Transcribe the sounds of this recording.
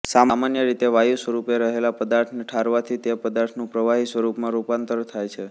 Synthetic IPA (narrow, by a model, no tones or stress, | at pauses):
samamanjəɾit̪eʋajusʋəɾupeɾəɦelapəd̪aɾʈ̪ʰnʈʰaɾʋat̪ʰit̪epəd̪aɾʈ̪ʰnũpɾəʋaɦisʋəɾupmãɾupant̪əɾt̪ʰajt͡ʃʰe